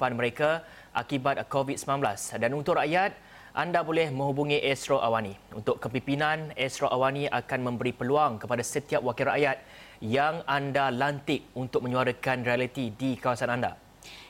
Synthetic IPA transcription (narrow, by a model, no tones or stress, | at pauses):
panmə̃ɾeka | ʔakibat̪̚kovit̪̚səminãnblasdanunt̪ʊʔɾaʔjat̪̚ | ʔandabolɛhmə̃ŋɦubuŋĩʔɛstɾoʔawanĩṵnt̪ʊkkəpimpinãnɛst̪ɾoʔawanĩʔakanmə̃mbəɾipəluaŋkəpadasət̪iap̚wakɪlɾa̰ʔjat̪̚ | jaŋandalant̪ɪk̚unt̪ʊk̚mə̃ɲũaɾəkanrialit̪idikawasananda̰